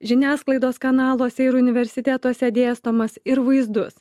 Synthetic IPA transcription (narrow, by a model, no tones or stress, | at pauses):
ʒʲɪnʲæːsklˠɐɪd̪oːskɐnɑːlˠoːsʲɛɪɾʊnʲɪʋʲɛɾʲsʲɪt̪ʲæt̪oːsʲɛd̪ʲeːst̪oːmɐsɪɾʋɐɪzd̪ʊs